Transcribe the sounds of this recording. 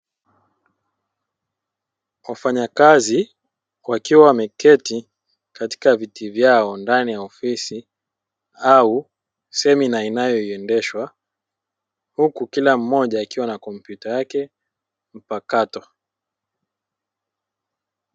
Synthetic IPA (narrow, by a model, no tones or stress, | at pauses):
wafaɲakazi | wakiwawamɛkɛti | kati̥kavitivjaɔndanijaɔfisi | au | sɛminainajɔiɛndɛʃwa | hukukilam̩mɔʄaːkiwanakɔmpjutajakɛ | m̩pakatɔ